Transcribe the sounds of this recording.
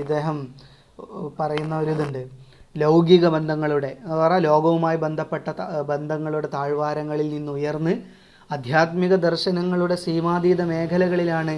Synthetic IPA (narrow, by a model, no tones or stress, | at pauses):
id̪ːe̞ːɦɐm | pɐrɐjunːɐoɾuðuɳɖɨlowɡiɣɐbend̪ʱɐŋːɐɭuɽe̞ɐrɐlo̞ːɡɐʋumaːjibe̞nd̪ʱɐpːe̞ʈːɐbend̪ʱɐŋːɐɭuɽe̞t̪aːɻʋaːɾɐŋːɐɭilninːuujɐrnːɨ | ɐd̪ʱjaːt̪miɣɐd̪ɐrɕɐnɐŋːɐɭuɽe̞siːmaːd̪iːd̪ɐme̞ːkʰɐlɐɣɐɭilaːɳɨ